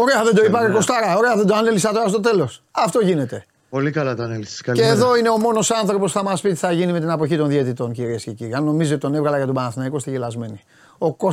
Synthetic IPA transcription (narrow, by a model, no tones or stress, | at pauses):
o̞ɾeɐðed̪o̞ipɐɾeko̞st̪ɐɾɐo̞ɾe̞ɐðed̪oɐnelisɐt̪oɾɐst̪ot̪e̞lo̞sɐft̪o̞ʝine̞t̪e̞ | po̞likɐlɐt̪ɐɐnelisskɐeːðo̞ine̞o̞mo̞no̞sɐnθɾo̞po̞sθɐmɐspit̪i̥θɐʝinime̞t̪inɐpo̞çit̪o̞nðiet̪it̪o̞nciɾiesce̞ciɾiɐnno̞mizoot̪it̪o̞ne̞vɣɐlɐʝɐt̪obɐnɐθinɐikost̪eʝelɐzme̞ni | o̞ko̞